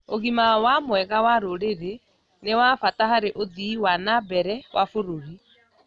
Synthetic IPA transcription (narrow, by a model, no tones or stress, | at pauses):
oɣimawamwɛɣawaɾoɾeɾe | newafatahaɾeʔoðiwanabɛɾɛwʔafoɾoɾi